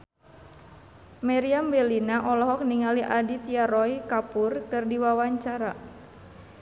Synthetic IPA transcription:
maɾiambɛlinaʔɔlɔɦɔk̚niŋaliʔadit̪iaɾɔjkapurkɨrdiwawaɲt͡ʃaɾa

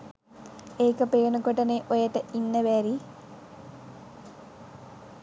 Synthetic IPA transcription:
eːkɐpeːnukoʈɐneʔojɐʈəʔinːɐʋæːɾi

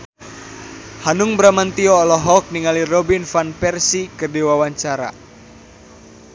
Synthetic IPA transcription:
hanuŋbɾamant̪iɔːlɔɦɔlk̚niŋalirɔbinfanpɛrsikərdiwawaɲt͡ʃaɾa̰

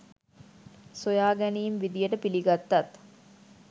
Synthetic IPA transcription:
sojaːɡæniːmʋid̪ijəʈəpiliɡat̪ːat̪

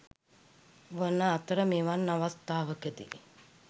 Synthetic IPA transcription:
ʋənəat̪əɾəmeːʋanːaʋast̪aːʋəkəd̪ḭ

